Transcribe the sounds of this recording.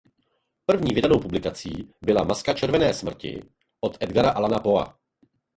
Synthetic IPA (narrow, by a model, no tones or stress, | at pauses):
pr̩vɲiːvɪdano̞wpublɪkat͡siːbɪlamaskat͡ʃɛɾvɛnɛːsmr̩cɪ̰ | ʔot̪ʔɛd̪ɡaɾaʔalanapo̞a̰